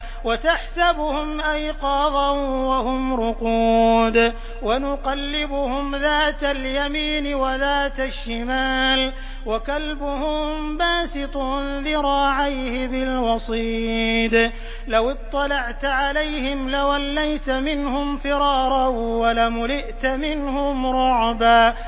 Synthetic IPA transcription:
wat̪aħsabhʊmʔajqɑːðˤɑnwahʊmɾʊquːd̪ | wanʊqɑlːɪbʊhʊmðaːt̪aljamiːnɪwaðaːt̪aʃːɪmaːl | wakalbʊhʊmbaːsɪt̪ˤuːnðɪɾˤɑːʕajhɪbɪlwɑsˤiːd̪ | lawɪt̪ˤːɑlɑʕt̪ʕalajhɪmlawalːajt̪mɪnhʊmfɪɾɑːɾˤɑwalamʊlɪʔt̪mɪnhʊmɾˤʊʕbaː

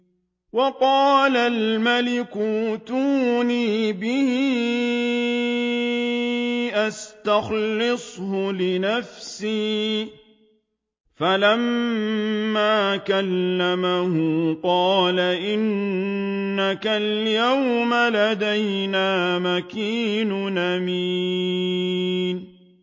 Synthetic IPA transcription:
wɑqɑːlalmalɪkut̪uniːbɪhɪ | ʔast̪axlɨsˤhʊlɪnafsiː | falamː | aːkalːamahʊqɑːlaʔɪnː | akaljawmalad̪ajnaːmakiːnʊʔami | n

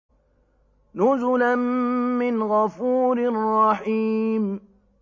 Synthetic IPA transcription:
nʊzʊlanːɪnɣafuːɾrˤːɑħiːm

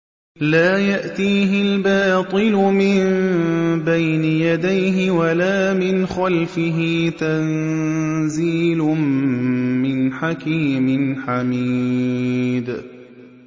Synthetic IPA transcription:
laːjaʔt̪iːɦɪlbɑːt̪ˤɨlʊmɪn | bajnɪjad̪ajɦɪwalaːmɪnxalfɪɦɪt̪an | ziːlʊː | ɪnħakiːmɪnħamiː | d̪

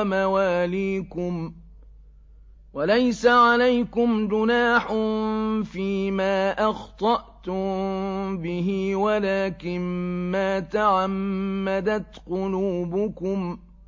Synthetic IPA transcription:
mawaːliːkʊm | walajsaʕalajkʊmd͡ʒʊnaːħʊfiːmaːʔɑxt̪ˤɑʔt̪ʊmbɪɦɪwalaːkɪnmaːt̪aʕamːad̪at̪qʊluːbʊkʊm

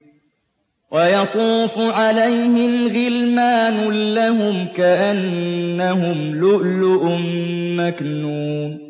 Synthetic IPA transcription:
wɑjɑt̪ˤuːfʕalajhɪmɣɪlmaːnʊlaɦʊmkaʔanːaɦʊmlʊʔlʊʔʊmːaknuːm

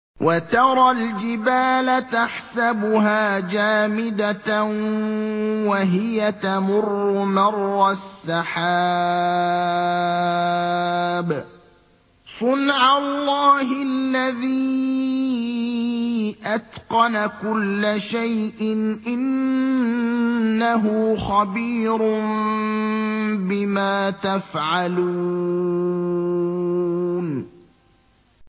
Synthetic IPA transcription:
wʔat̪ɑɾˤɑld͡ʒɪbaːlat̪aħsabʊɦaːd͡ʒaːmɪd̪at̪ | waɦɪjat̪amʊrːʊmɑrˤːɑsːaħaː | b | sˤʊnʕalːɑːɦɪlːaðiː | ʔat̪qɑnakʊlːaʃajʔɪnʔɪn | aɦʊxabiːɾʊm | bɪmaːt̪afʕaluː | n

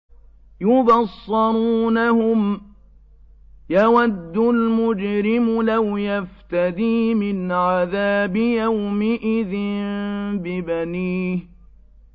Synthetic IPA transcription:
jʊbɑsˤːɑɾˤuːnahʊm | jawad̪ːʊlmʊd͡ʒɾɪmʊlawjaft̪ad̪iːmɪnʕaðaːbɪjawmɪʔɪðɪnbɪbaniːh

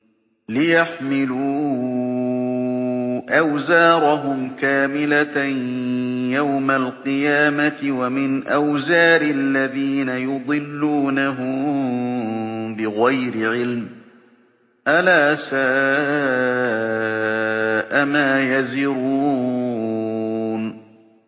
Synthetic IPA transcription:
lɪjaħmɪluː | ʔawzaːɾˤɑɦʊmkaːmɪla | jawmalqɨjaːmat̪ɪwamɪnʔawzaːɾɪlːaðiːnajʊd̪ˤɨlːuːnaɦʊm | bɪɣajɾɪʕɪlm | ʔalaːsaː | ʔamaːjazɪɾuː | n

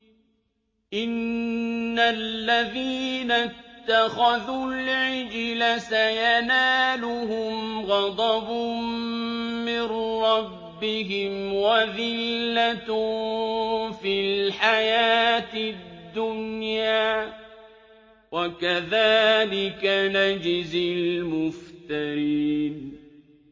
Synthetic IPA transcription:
ʔɪnː | alːaðiːnat̪ːaxaðulʕɪd͡ʒlasajanaːlʊɦʊmɣɑd̪ˤɑbʊ | mɪnɾɑbːɪɦɪmwaðɪlːat̪ | filħajaːt̪ɪd̪ːʊnjaː | wakaðaːlɪkanad͡ʒɪzɪlmʊft̪aɾiːn

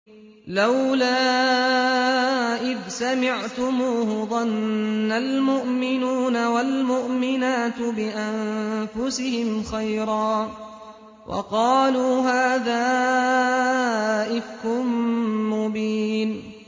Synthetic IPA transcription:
lawlaː | ʔɪðsamɪʕt̪ʊmuːhʊðˤɑnːalmʊʔmɪnuːnawalmʊʔmɪnaːt̪bɪʔanfʊsɪhɪmxajɾˤɑː | wʔɑ̰qɑːluːɦaːðaː | ʔɪfkʊmːʊbiːn

